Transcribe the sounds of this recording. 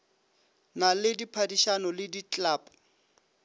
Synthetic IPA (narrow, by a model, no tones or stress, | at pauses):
nalɪdipʰadiʃanɔlɪdit͡ɬʼaːpʼʊ̥